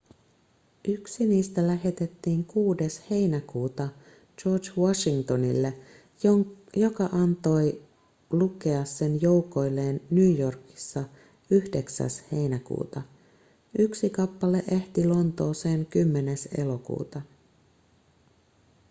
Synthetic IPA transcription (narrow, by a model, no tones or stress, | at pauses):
ʔyksiniːst̪ælæɦe̞t̪e̞t̪ːiːŋkuːde̞she̞jnækuːt̪ɑ | d͡ʒo̞ːrd͡ʒwɑʃiŋt̪o̞nḭlːe | jo̞kɑʔɑnt̪o̞j | luke̞ɑsːe̞njo̞uwko̞jlːe̞ːnːyːjo̞rki̥sːɑ | yhde̞ksæ̰she̞jnækṵːt̪ɑ | ʔyksikɑpːɑle̞ʔe̞ht̪ilo̞nt̪o̞ːse̞ːŋkymːe̞ne̞se̞̰lo̞kṵːt̪ɑ